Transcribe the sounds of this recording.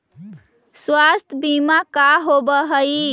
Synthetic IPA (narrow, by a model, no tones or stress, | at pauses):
swast̪ʰbimakaɦobəɦəi